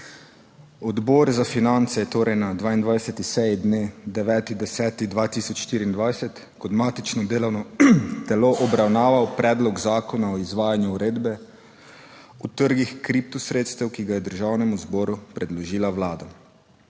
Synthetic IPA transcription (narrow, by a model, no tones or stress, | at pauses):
ɔd̪bɔːɾzafinant̪sɛjɛt̪oːɾɛjnad̪ʋaːind̪ʋajsɛt̪isɛjɛd̪ned̪ɛʋɛːt̪id̪ɛsɛːt̪id̪ʋaːt̪iːsɔt͡ʃʃt̪iːɾiːnd̪ʋajsɛt̪ | kɔd̪maːt̪it͡ʃnɔd̪eːlɔwnɔt̪ɛloʔɔbɾawnaːʋawpɾɛːd̪lɔɡzaːkɔnaɔizʋaːjanjuuɾeːd̪bɛ | ut̪əɾɡixkɾip̚t̪usɾeːt̪st̪ɛwkiɡajɛd̪əɾʒawnɛmuzbɔːɾupɾɛd̪lɔʒiːlawlaːd̪a